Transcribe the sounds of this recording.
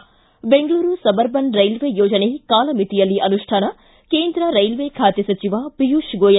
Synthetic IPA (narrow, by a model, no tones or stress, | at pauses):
beŋɡluːɾusɐbɐɾbɐnɾɐjlʋeːjoːd͡ʒɐnekaːlɐmit̪ijɐlːiʔɐnuʂʈʰaːnɐ | keːnd̪ɾɐɾɐjlʋeːkʰaːt̪jɐsɐt͡ʃiʋaːpijuːʃɡoːjɐ